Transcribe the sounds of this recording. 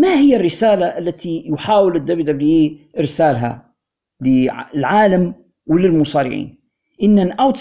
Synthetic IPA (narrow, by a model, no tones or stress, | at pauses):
mahɪjːarːɪsaːlaʔalːat̪ijʊħaːwɪlɪd̪ːabid̪abliːʔɪɾsaːlɦa̰ | lɪlʕaːlam | wɪlɪlmʊsˤɑːɾɪ̰ʕḭːn | ʔɪnːanʔawt̪